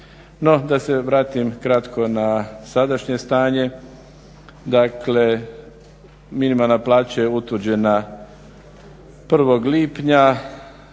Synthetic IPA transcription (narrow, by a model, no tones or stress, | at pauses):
no̞d̪ase̞ʋɾaːt̪imkɾat̪kʰo̞nasad̪aʃɲe̞st̪aːɲe̞ | d̪akle̞ | minimalˠnaplaːt͡ɕajeut̪ʋɨd͡ʑe̞na | pr̩ʋo̞ɡliːpɲa